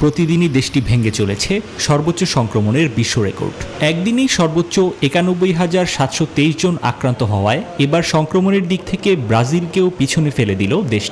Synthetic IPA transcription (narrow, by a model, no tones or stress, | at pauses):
pɾot̪id̪inid̪eʃʈibʱeŋɡet͡ɕolet͡ɕʰeʃɔɾbot̪ːɕoʃɔŋkɾomoneɾbiʃːoɾeko̰ɾɖɛk̚d̪inejʃɔɾbotːɕoekanobːojɦad͡ʑaɾʃat̪ʃot̪ejʃd͡ʑona̰kɾant̪oɦɔoaeebaɾʃɔŋkɾomoneɾd̪ik̚t̪ʰekebɾad͡ʑilkewpit͡ɕʰonefeled̪ilod̪eʃʈi̥